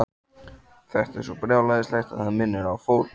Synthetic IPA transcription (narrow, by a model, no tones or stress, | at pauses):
θɛht̪ɛ̰ɾsɔpɾjaːwlajðɪslajxt̪a̰ðhanmɪnːɪɾawfoːwl